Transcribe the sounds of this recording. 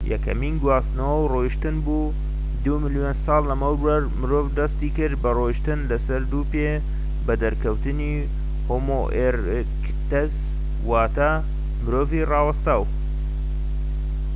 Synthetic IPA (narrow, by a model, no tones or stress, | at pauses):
jɐ̰kʰɐ̰miːnɡwaːst̪nɐwɐwroːjiʃt̪ɨnbuː | d̪umɨljonsɑːlːɐmɐwɐɾmɨɾoːvd̪ɐst̪iːkɨɾbɐrojʃt̪ɨnlɐsɐɾd̪uːpe | bɐd̪ɐɾkʰɐwt̪ɨni | hoːmoʔeɾ | k | t̪ɐz | waːt̪a | mɨɾoːviːrɑːwɐst̪aw